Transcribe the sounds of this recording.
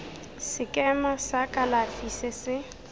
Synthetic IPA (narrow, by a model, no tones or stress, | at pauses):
sɪkʼɛmasakʼalafisɪsɪ